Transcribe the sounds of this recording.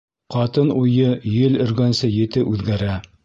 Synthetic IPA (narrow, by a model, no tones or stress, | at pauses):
qɑt̪ɤnujɤjɘlɘ̆ɾɡænsɤjɘ̆t̪ɘʔʉðɡæɾæ